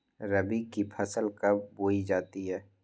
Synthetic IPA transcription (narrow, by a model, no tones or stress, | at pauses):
ɾəbikipʰɐsəlkɐbboːid͡ʒaːt̪iɦɛː